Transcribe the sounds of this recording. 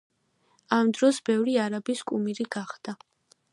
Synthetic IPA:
amd̪ɾɔsbɛvɾiaɾabiskʼumiɾiɡaχd̪̥a

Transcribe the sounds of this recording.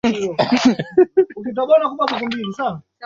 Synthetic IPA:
ukit̬ɔɡɔnakuɓakak̬umbilisana

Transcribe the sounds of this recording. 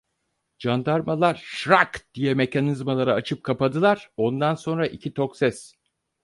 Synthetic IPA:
d͡ʒand̪aɾmalˠaɾʃɾakd̪̥ijɛme̞cʰanizmalˠaɾaːt͡ʃʰɯp̚kʰapad̪ɯlˠaɾ̥o̞nd̪anso̞nɾaʔicʰit̪ʰo̞ksɛs

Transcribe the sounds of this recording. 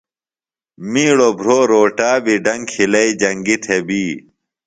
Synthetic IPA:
miːɽobʱɾoːɾoːʈaːbiɖɐŋɡkʰilɐid͡ʑɐŋɡit̪ʰebiː

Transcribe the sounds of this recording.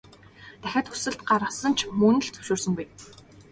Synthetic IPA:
t̪æxʲaːt̪xɵsɘ̆ɮt̪ɢaɾə̆sə̆n̥t͡ɕʰmɵnɘ̆ɮt͡sɵ̥wʃoːrsɵ̆ŋɡej

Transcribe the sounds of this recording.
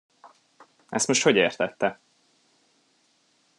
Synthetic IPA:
ɛst̪mo̞ʃt̪ho̞ɟeːrt̪ɛt̪ːɛ

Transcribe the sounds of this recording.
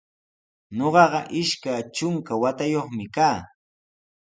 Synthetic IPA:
ɲoɢɑɢɑʔɪʃkat͡ʃʊŋkawat̪ajoχmɪkaː

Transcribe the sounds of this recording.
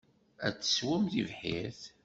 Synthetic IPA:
æ̰t͡sːə̥swæmθivħiθ

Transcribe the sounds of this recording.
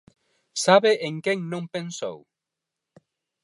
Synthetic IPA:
saβeʔeŋkeŋnõŋpenso̰w

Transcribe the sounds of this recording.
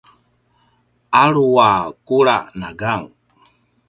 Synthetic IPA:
aɺuwakuɺanaɡaŋ

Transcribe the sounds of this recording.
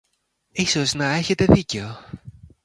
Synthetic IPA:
iso̞znɐe̞çe̞t̪e̞ðice̞o

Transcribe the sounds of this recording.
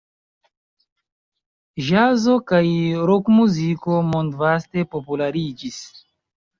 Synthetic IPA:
ʒazokajɾokmuziko̞mondvaste̞po̞pulaɾid͡ʒis

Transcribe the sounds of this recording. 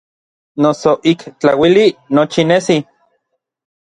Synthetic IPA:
nosoʔikt͡ɬawilinot͡ʃinesi

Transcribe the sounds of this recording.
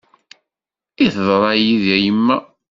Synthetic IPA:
iθðˤɾˤɑjiðæjəmːæ

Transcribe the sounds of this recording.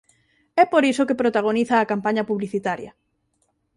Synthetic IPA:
ɛpoɾisokepɾot̪aɣ̞oniθɐːkampaɲɐpuβliθit̪aɾjɐ̰

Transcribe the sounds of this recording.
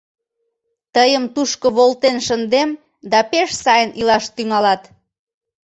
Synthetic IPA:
t̪əjəmt̪uʃkoβolt̪enʃənd̪em | d̪ɑpeʃsɑjənʔilɑʃt̪yŋɑlɑt̪

